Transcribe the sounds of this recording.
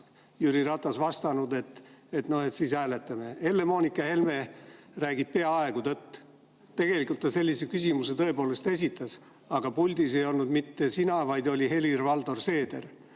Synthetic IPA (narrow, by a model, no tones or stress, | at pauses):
jyɾiɾɑt̪ːˑɑsvɑst̪ɑnud̪e̞t̪ːˑet̪no̞he̞t̪sishæːle̞t̪ːˑɑme̞e̞lːe̞mo̞ːnikːˑɑhe̞lme̞ | ræːɡit̪̚pe̞ɑɑe̞ɡ̥ut̪ɤt̪ː | t̪e̞ɡ̥e̞likˑult̪ːɑse̞lʲːisekysʲimuse̞t̪ɤ̞e̞po̞ːle̞st̪e̞s̬ʲit̪ːˑɑs | ɑɡ̥ɑpulʲd̪ise̞jo̞lnud̪mit̪ːe̞sinɑvɑjd̪o̞lʲihe̞lirvɑld̪o̞rse̞ːd̪̥e̞̰r